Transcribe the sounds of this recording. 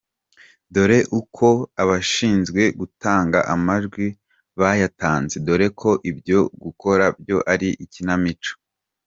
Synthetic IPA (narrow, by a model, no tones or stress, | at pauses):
do̞ɾe̞ʔukʰo̞aβaʃiːnzɡwe̞ɡutaːŋɡa̰ʔamaʒɡwi | βajataːnze̞do̞ɾe̞kʰo̞ʔibjo̞ɡuko̞ɾabjo̞ʔaɾiʔicinamit͡ʃo̥